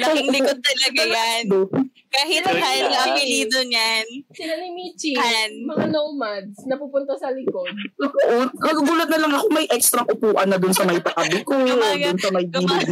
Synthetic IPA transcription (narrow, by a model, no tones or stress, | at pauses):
lɐkɪŋʊlɪkod̪̚t̪ɐlɐɡajad̪o | kahɪt̪halailiːd̪oɲansɪlanɪmit͡ʃihanmɐŋanomad̪̚snɐpuːpʊnt̪osɐlɪkod̪̚ɐkoʔonkɐɡɐɡuːlɐt̪̚nɐlɐŋɐkomɐjʔɛkst̪ɾɐŋʔʊpuːʔɐnːɐd̪ʊnsɐmɐjpɐkɐlɪkoaɡ̪nsɐmɐjdiːli